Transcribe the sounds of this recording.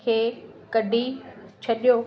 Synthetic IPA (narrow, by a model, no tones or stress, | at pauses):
kʰeːkɐɖʱit͡ɕʰɐɗijo